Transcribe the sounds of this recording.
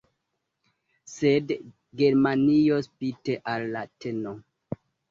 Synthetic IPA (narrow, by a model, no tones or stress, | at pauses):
sed | ɡe̞ɾmaniospiteʔalːateno